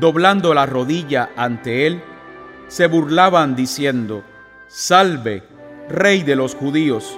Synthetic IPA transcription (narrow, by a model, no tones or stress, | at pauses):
d̪o̞βland̪o̞laro̞ðiʝaʔant̪e̞e̞l | se̞βuɾlaβand̪isje̞nd̪o̞ | salβe̞ | re̞jd̪e̞lo̞sxuðio̞s